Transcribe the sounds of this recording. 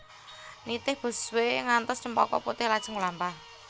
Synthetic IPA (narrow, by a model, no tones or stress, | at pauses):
nit̪ɪhb̥ə̤sweŋant̪ɔst͡ʃəmpɔkɔ̰put̪ɪhlḁʒ̥ə̤ŋulampah